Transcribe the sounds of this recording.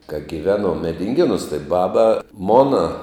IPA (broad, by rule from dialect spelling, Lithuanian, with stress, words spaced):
kɐ ɡʲɪˈʋʲæːˌnuɔm mʲɛdʲɪŋʲˈɡʲeːˌnʊs tɐɪ ˈbɑːbɐ ˈmoːnɐ